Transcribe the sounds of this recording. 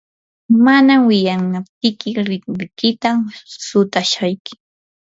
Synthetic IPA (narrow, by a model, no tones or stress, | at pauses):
manamwɪjanap̚t̪ɪkɪɾɪkmɪkɪt̪asʊt̪aʃajkɪ̥